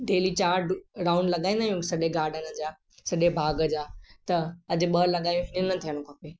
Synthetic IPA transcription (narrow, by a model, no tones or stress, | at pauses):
ɖeːlit͡ɕaːɾɖɾãːʊ̃ɳɖlɐɠaːĩnd̪aːjũːksɐʄeɡaːɾɖənəd͡ʑaː | sɐɗebʱaːɡəd͡ʑaːt̪ɐɐd͡ʑɪ̆ɓɐɾlɐɠaːj̃ũɦɪnɪnɐt̪ʰijəɽ̃ʊkʰãpeː